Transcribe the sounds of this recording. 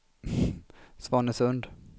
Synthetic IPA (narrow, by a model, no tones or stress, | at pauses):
svɑːɳəsɵnd̪